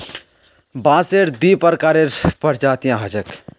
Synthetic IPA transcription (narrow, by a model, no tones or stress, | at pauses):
bãːseɾd̪ipəɾkaɾeɾpəɾd͡ʒaːt̪ijãɦəd͡ʒək